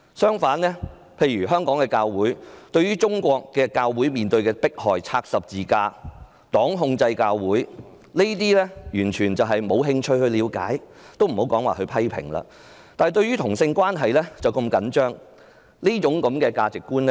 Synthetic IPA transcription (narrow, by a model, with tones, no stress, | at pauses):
sœː˥ŋfaː˨˥nlɛː˥ | pʰe˧jɥyː˨˩ɦœː˥ŋkɔː˨˥ŋkɛː˧kaː˧wwuː˨˥jt̪ɵ˧ɥjɥyː˥t͡ʃʊ˥ŋkʷɔː˧kːɛː˧kaː˧wːuː˨˥jmiː˨nt̪ɵ˧ɥkɛː˧pɪ˥k̚hɔː˨˩jt͡sʰaː˧k̚sɐ˨p̚t͡siː˨kaː˧ | t̪ɔː˨˥ŋɦʊ˧ŋt͡sɐ˧jkaː˧wwuː˨˥j | le˥t̪̬iː˥lɛ˥jyː˨˩nt͡ʃʰyː˨˩nt͡sɐ˨wɦɐ˨jmo˨˧wɦɪ˧ŋt͡ʃʰɵ˧˥ɥhɵ˧liː˨˧wka̰ː˨˥jt̪o˥wm̩˨˩ho˨˥wkɔː˨˥ŋwaː˨hɵ˧ɥpʰɐ˥jpʰɪ̰˨˩ŋla̰ː˧ | t̪aː˨jt̪ɵ˧ɥyː˥t̪ʰʊ˨˩ŋsɪ˧ŋkʷwaː˥nɦɐ˨jlɛː˥t͡sɐ˨˩wkɐ˧mkɐ˨˥nt͡ʃœː˥ŋ | niː˥t͡ʃʊ˨˥ŋkɐ˨˧˥mkɛː˧kaː˧t͡sɪ˨kːuː˥nɛ˥